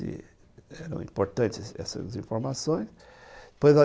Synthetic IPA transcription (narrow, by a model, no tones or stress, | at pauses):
ḭ | ɛɾɐ̰̃w̃ḭ̃mpuɾt̪ɐ̃nt̪ɛ̰sɐ̰zĩfuɾmɐsõj̃ʃd̪̥ɨ̥pojzɐ